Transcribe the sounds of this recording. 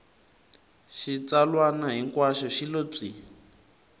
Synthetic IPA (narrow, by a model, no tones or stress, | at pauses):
ʃit͡salwanaɦiŋkwaʃɔʃilob͡ʐi